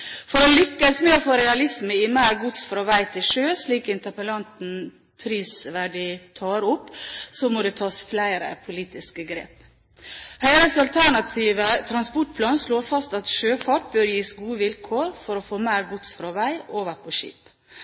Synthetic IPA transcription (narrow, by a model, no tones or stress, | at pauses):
fɔɾɔlʏkːəsmeːɔfoːɾɛɑlɪsməɪmæɪɾɡʊt̪sfɾɑʋæɪt̪ʰɪlʃøːsliːkɪnt̪əpəlɑnt̪n̩ | pʰɾiːsʋæɖɪt̪ʰɑːɾʊpːsɔmɔd̪ɛt̪ʰɑːsflæɪɾə̰pʰʊliːt̪ɪskəɡɾḛːp | hœʏɾəsɑlt̪ʰæɳɑt̪ʰiːʋət̪ʰɾɑnspɔʈ̚pʰlɑːnsloːɾfɑst̪ɑt̪ʃøːfɑʈ̚bøːɾjiːsɡuːəʋɪlkʰoːɾfɔɾɔfoːmæɪɾɡʊt̪sfɾɑʋæɪʔoːʋəɾpʰɔʃḭːp